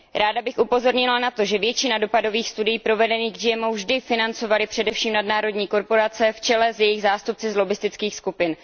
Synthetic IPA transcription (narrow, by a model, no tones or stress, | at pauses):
ɾaːdabɪxʔupo̞zo̞ɾɲɪlanat̪o̞ʒɛvjɛt͡ʃɪnado̞pado̞viːxst̪udɪjiːpɾo̞vɛdɛniːɣɡd͡ʒɪjɛmowvʒdɪfɪnant͡so̞valɪpr̥ɛdɛfʃiːmnadnaːɾo̞dɲiːko̞ɾpo̞ɾat͡sɛft͡ʃɛlɛzjɛjɪɣzaːst̪up̚t͡sɪzlo̞bɪst̪ɪt͡skiːxskupɪn